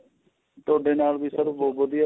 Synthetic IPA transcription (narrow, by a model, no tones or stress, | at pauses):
t̪ʊaːɖeːnaːlbiːsəɾboːbəd̪ɪjaː